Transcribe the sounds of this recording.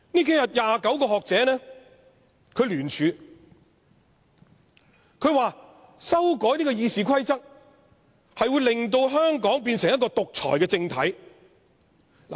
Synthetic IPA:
niː˥k̬e˨˥jɐ˨˩t̚jaː˨˧kɐ˨˥wkɔː˧ɦɔː˨k̚t͡sɛː˨˥nɛː˥ | kʰɵ˨˧ɥlyː˨˩nt͡ʃʰyː˨˧ | kʰɵ˨˧˥ɥwaː˨ | sɐ˥wkɔː˨˥jniː˥kɔː˧jiː˧siː˨kʰɐ˥jt͡sɐ˥k̚ | hɐ˨jwuː˨˧jlɪ˨ŋt̪̬o˧wɦœː˥ŋkɔː˨˥ŋp̬iː˧nsɪ˨˩ŋjɐ˥kɔː˧t̪ʊ˨k̚t͡sʰɔ̰ː˨˩jkɛː˧t͡sɪ˧ŋt̪ʰɐ˨˥j | la̰˨˩

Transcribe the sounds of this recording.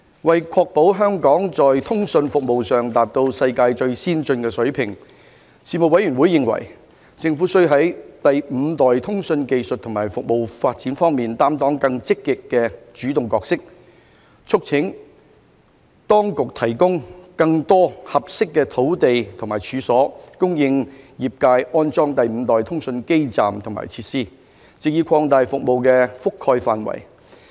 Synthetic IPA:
wɐ˨jkʰɔː˧k̚po˨˥wɦœː˥ŋkɔː˨˥ŋt͡sɔː˨jt̪ʰʊ˥ŋsɵ˧nfʊ˨k̚mo˨wsœː˨ŋt̪aː˨p̚t̪o˧wsɐ˧jkaː˧jt͡ʃɵ˧ɥsiː˥nt͡sɵ˧nkɛː˧sɵ˨˥ɥpʰɪ˨˩ŋ | siː˨mo˨k̚wɐ˨˥jyː˨˩nwu˨˥jːɪ˨ŋwɐ̰˨˩j | t͡sɪ˧ŋfuː˨˥sɵ˥ɥɦɐ˨˥jt̪ɐ˨jm̩ː˨˧t̪ɔː˨jt̪ʰʊ˥ŋsɵ˧nke˧jsɵ˨t̚t̪ʰːʊ˨˩maː˨˩jfʊ˨k̚mo˨wfaː˧t̚t͡siː˨˥nfɔː˥ŋmiː˨nt̪aː˥mt̪ɔː˨˥ŋkɐ˧ŋt͡sɪ˥kːɪ˨kːɛː˧t͡ʃyː˨˥t̪ʊ˨ŋkɔː˧k̚sɪ˥k̚ | t͡sʰʊ˥k̚t͡sʰɪ˨˥ŋ | t̪ɔː˥ŋkʊ˨k̚t̪ʰɐ˨˩jkʊ˥ŋkɐ˧ŋt̪ɔː˥hɐ˨p̚sɪ˥kːɛː˧t̪ʰo˨˥wt̪e˨jt̪ʰʊ˨ŋmaː˨˩jt͡ʃʰyː˨˧sɔː˨˥kʊ˥ŋjɪ˧ŋjiː˨p̚kaː˧jʔɔː˥nt͡sɔː˥ŋt̪ɐ˨jm̩˨˧t̪ɔː˨˩jt̪ʰʊ˥ŋsɵ˧nke˥jt͡sa̰ː˨mt̪ʰʊ˨˩ŋma̰ː˨˩jt͡sʰiː˧t̚siː˥ | t͡sɪ˨k̚jiː˧kʰɔː˧ŋt̪aː˨jfʊ˨k̚mo˨wkɛː˧fʊ˥kʰːɔː˧jfaː˨nwɐ̰˨˩j

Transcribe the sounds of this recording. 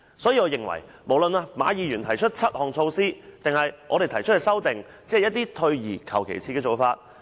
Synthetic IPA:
sɔː˨˥jiː˧ɔː˨˧jɪ˨˩ŋwɐ̰˨˩j | mo˨˩wlə˨naː˧maː˨˧jiː˨˧jyː˨˩nt̪ʰɐ˨˩jt͡ʃʰɵ˥t̚t͡sʰɐ˥t̚hɔː˨ŋt͡sʰo˧wsiː˥t̪ɪ˨ŋhɐ˨jʔɔː˨˧ɾe˨jt̪ʰɐ˨˩jt͡ʃʰthɛ˨jsɐ˥wt̪ɪ˨˩ŋ | t͡sɛː˥hjɐ˥t̪̚ːiː˥t̪ʰɵ˧ɥjiː˨˩kʰɐ̰˨˩wkʰḛ˨˩jt͡sʰiː˧˥kɛ˧t͡so˨˧wfaː˧t̚

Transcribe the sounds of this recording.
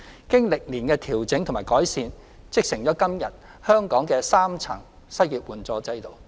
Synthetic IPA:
kɪ˥ŋlɪ˨k̚liː˨˩nkɛː˧t̪ʰiː˨˩wt͡sɪ˨˥ŋt̪ʰo˨˩maː˨jkɔː˨˥jsiː˧n | t͡sɪ˥k̚sɪ˨˩ŋt͡sɔː˨˥kɐ˥mjɐ˨t̚ | hœː˥ŋkɔː˨˥ŋkɛː˧saː˥mt͡sʰɐ̰˨˩ŋ | sɐ˥jjiː˨t̚wuː˨nt͡sɔː˨˥t͡sɐ˥jt̪o˨˧w

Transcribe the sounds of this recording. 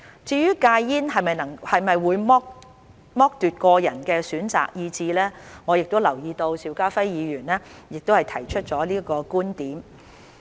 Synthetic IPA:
t͡siː˧jyː˥kaː˧jjiː˥nɦɐ˨jmɐ˨jnɐ˨˩ŋhɐ˨jmɐ˨jwuː˨˧˥jmɔ˥k̚ | mɔː˥k̚t̪yː˨t̚kɔː˧jɐ˨˩nkɛː˧syː˨˥nt͡sa̰ː˨k̚jiː˧t͡siː˧lɛː˥ŋɔː˨˧jɪ˨k̚t̪o˥wlɐ˨˩wjiː˧t̪o˧wsiː˨˥wkaː˥fɐ˥jjiː˨˧ɥyː˨˩nlɛː˥jɪ˨k̚t̪o˥whɐ˨jt̪ʰɐ˨˩jt͡ʃʰɵ˥t̚t͡ʃɔː˨˥liː˥kɔː˧kuː˥nt̪iː˨˥m

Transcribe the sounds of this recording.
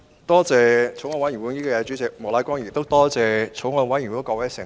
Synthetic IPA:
t̪ɔː˥t͡sɛː˨˧t͡sʰo˨˥wŋɔː˨˧wjy˨˩wu˨˧˥niː˥kɔ˧jɛ˨˥t͡ʃy˨˥t͡sɪ˨k̚mɔː˨˩laː˨˥jkʷɔː˥ŋjiː˨˩t̪o˥wt̪ɔː˥t͡sɛː˨t͡sʰo˨˥wŋɔː˧nwɐ˨˥jy˨˩wu˨˥kɔː˧wɐ˨˥sɪ˨˩

